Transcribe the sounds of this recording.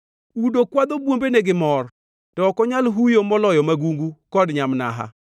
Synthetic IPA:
udokwad̪obwombeneɡɪmɔr | tɔːkɔɲalɦujomɔlɔjɔmaɡuŋɡukɔdɲamna̰ɦa̰

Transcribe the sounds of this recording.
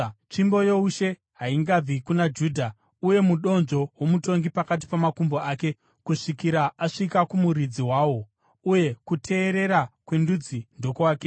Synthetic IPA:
t͡ʂimbo̞jouʃe̞ | ɦaiŋɡab͡vikunad͡ʒuːdʱa | uje̞muɗo̞nʐo̞womuto̞ŋɡipakat̬i̥pamakumboake̞ | kuʂikiɾaaʂikakumuɾid͡ziwaːwo̞ | uje̞kutʰe̞ːɾe̞ɾakwendud͡zindo̞kuwaːke

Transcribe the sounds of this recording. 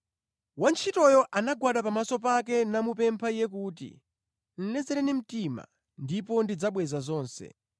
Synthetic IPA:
want͡ʃʰitɔjɔʔanaɡwaɗapamasɔp̬ak̬ɛnamupɛmpʰaijɛk̬uːt̬ḭ | n̩lɛd͡zɛɾɛnim̩tima̰ | ndipɔndid͡zaɓwɛzazɔːnsɛ̰

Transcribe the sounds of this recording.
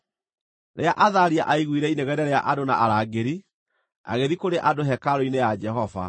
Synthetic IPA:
ɾʔeaʔaðaɾia̰ʔaiɣwiɾɛineɣɛɾɛɾeaʔadona̰ʔaɾaːɡeɾi | a̰ɣeðikoɾeʔadoɦɛkaɾoinejad͡ʒɛɦɔva̰

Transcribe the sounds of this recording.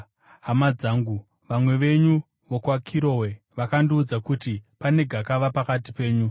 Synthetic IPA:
ɦamad͡zaːŋɡu | ʋamwe̞ʋe̞ɲu | ʋokwakʰiɾo̞we̞ | ʋakandiud͡zakutipane̞ɡʱakaʋapakatipe̞ːɲu

